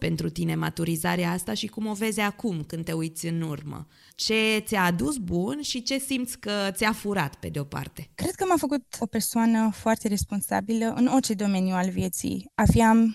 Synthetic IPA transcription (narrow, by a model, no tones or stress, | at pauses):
pe̞nt̪ɾut̪ine̞mat̪uɾizaɾeaast̪aʃikumo̞ve̞zakumkɨnd̪t̪e̞ujt̪sʲɨnurmə̰ | t͡ʃe̞t̪sʲaːd̪usbunʃit͡ʃe̞simt̪sʲkət̪sʲafuɾat̪pe̞d̪eo̞pa̰rt̪e̞kɾe̞d̪̚kəmafəkut̪o̞pe̞rsoanəfoart̪e̞ɾe̞spo̞nsa̰biləʔɨno̞rt͡ʃe̞d̪o̞me̞njualvje̞t̪sḭjafiam